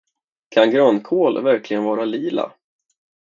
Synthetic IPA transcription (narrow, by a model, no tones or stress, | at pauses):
kʰanɡɾœnːkʰoːlvæɾklɪɡənvɑːɾaliːla̰